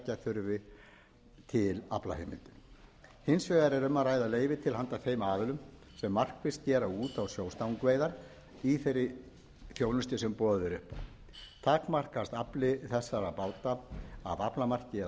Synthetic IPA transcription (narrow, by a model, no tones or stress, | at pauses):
caθʏɾvɪ | t̪ʰɪla̰pla̰hejmɪ̰nt̪ʏ̥hɪnsvɛːðaɾɛɾʏmːaɾaːjðaleːjvɪt̪ʰɪlhant̪aθejmaːðɪlʏm | sɛmːar̥kfɪ̥st̪cɛːɾauːt̪awsjowst̪awŋkvejðaɾ | iθejɾːɪ | θjownʏst̪ɪsɛmpɔːðʏðɛɾʏhpa̰w | t̪ʰaːkmar̥kast̪aplɪθɛsːaɾapaːwt̪aa̰ðaplamar̥cɪɛ